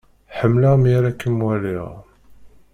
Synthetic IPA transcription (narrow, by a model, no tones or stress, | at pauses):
ħəmːlaʁmiɾækːənwælḭʁ